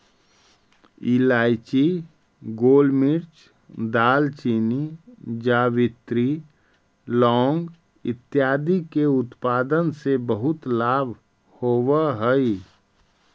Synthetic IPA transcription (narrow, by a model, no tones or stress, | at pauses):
ilaːɪt͡ʃi | ɡoːlmɪɾt͡ʃ | d̪aːlt͡ʃiːnid͡ʒaːʋɪt̪ɾi | lɔːŋɡ | ɪ̰t̪ːjaːd̪ikeʊt̪paːd̪ənsebəɦʊt̪laːbʱ | hoːwəɦəi